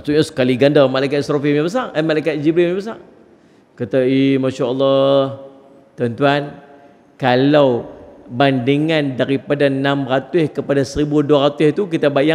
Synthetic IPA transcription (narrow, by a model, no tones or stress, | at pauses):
asuʔɲasə̥kaliɡandəmalajkat̪̚sɾɔfimɲabəsaŋəmalajkat̪̚d͡ʒiblimjãbəs̬aŋ | kat̪aimaʃaɔlːɔh | t̪ənt̪uan | kalawbandiŋandaɾipadanãmɾat̪ʊhkəpadasəɾibuduaɾat̪ʊht̪uk̬it̪abaja